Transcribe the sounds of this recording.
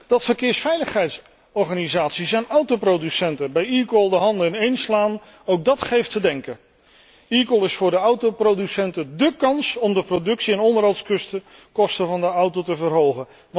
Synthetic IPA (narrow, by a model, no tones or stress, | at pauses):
d̥ɑtfəɹkɪːɹsfɛjləχɦɛjts | ɔɹχaːnizaːtsisɛjnʌwtowprowdysɛntəbɛjiːkəlˠdəɦɑndəɪnejnslaːn | owk̚dɑtχejftədɛŋkə | ikəlˠɪsfʊːɹdəʌwtoprodysɛntədəkɑnsɔmdəprodɵksiɛnɔndərɦɑlˠtskɵstə | kɔstəvɑndəʌwtotəvərɦowχən